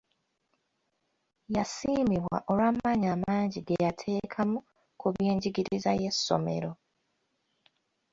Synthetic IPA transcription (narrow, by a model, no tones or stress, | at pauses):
jasiːmiβwa̰ʔo̞lwamaɲaːmaːɲɟiɡejatʰe̞ːkʰamu | kuβjeːɲɟiɡiɾizaje̞sːo̞̰me̞̰ɾo̞